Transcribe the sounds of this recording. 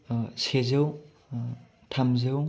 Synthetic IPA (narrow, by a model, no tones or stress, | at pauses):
sezɯw | tʰamzɯw